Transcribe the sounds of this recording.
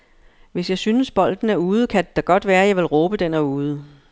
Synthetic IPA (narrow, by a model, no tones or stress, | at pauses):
ʋe̝sjɑ̈ɪsynəsb̥ɒ̽l̰d̥n̩æɐuːð̞̩ˠəkʰædd̥ɑ̈ɡ̥ɒ̽d̥ʋæːɐjɑ̈ɪʋe̝lʁɔ̽ːb̥əd̥enæɐuːð̞̩ˠə